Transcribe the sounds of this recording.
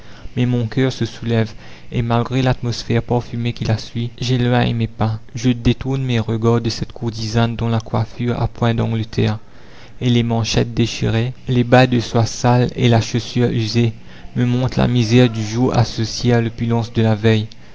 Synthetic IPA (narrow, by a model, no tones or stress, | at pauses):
mɛmɔ̃kœʁsəsulɛv | emalɡʁelat̪mɔsfɛʁpaʁfymekʲilasɥiʒelwɛ̃ḛmepɛ̃ʒəd̪et̪uʁnmeʁəɡaʁd̪əsɛt̪kuʁt̪izand̪ɔ̃lakwafyʁa̰pwɛ̃d̪ɑ̃ɡlət̪ʰɛ̰ːʁ | elemɑ̃ʃɛt̪̚d̪eʃḭʁelebad̪əswasalḛlaʃosyʁyze | məmɔ̃t̪χla̰mizɛʁd̪yʒuʁa̰sɔsjealopylɑ̃sd̪əlavɛj